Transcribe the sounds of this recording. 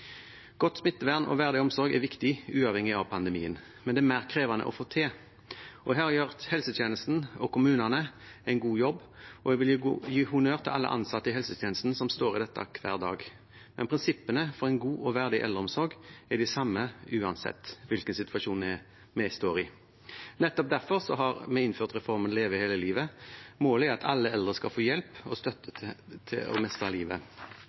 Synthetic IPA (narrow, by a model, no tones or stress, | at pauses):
ɡ̥ɔt̪ːsmɪt̪ːəʋæʁnɔ̰ʋæʁd̪ɪɔmsɔɾɡɛʋɪkt̪ɪʉːɑʋhɛŋɪɑʋpʰɑnd̪əmḭːən | mɛnd̪ɛːmæːʁkʰʁeːʋɑnə̰ʔɔ̰foːt̪ʰeː | ʔɔɦæːʁɑjøʁt̪hɛlsət̪jeːnəst̪n̩ɔkʰʊmʉːnɑnə | æɪnɡuːjɔbːʔɔɛʋɪljiːhʊnøːʁt̪ʰɪlʔɑlːə̰ʔɑ̰nsɑt̪ːəɪhɛlsət̪ʰjɛːnəst̪n̩sɔmst̪oːʁɪd̪ɛt̪ːɑ̰kʰʋæ̰ːʁd̪ɑ̰ːɡ | mɛ̰npʰɾɪnsɪpːənəfɔɾɛɪnɡuːʔɔʋæʁd̪ɪʔɛ̰ld̪əɾɔmsɔɾɡæd̪ɪsɑmːəʉːɑnsɛ̰t̪ːʋɪlkənsɪt̪ʉɑʂuːnɛ | mɛst̪oːɾɪ | nɛt̪ːɔp̚d̪æʁfɔɾsɔɦɑɾmɛɪɪnføːʁt̪ɾɛfɔɾmənleːʋəɪheːləliːʋəmoːləɛɾɑt̪ʰɑlːəɛld̪ʁəskɑlfoːjɛlpɔst̪œt̪ːət̪ʰɪ̰ɔ̰mɛst̪ʁɑliːʋə̰